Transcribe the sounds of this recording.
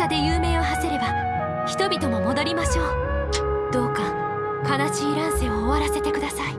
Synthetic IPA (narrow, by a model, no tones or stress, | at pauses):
ad̪e̞jɯːmẽ̞ːohaseɾe̞ba | çi̥t̪o̞bʲit̪o̞mo̞mo̞d̪o̞ɾʲimaɕo̞ː | d̪̥o̞ːka | kanaɕiːɾãɰ̃seoːβaɾase̞t̪e̞kɯ̟d̪asai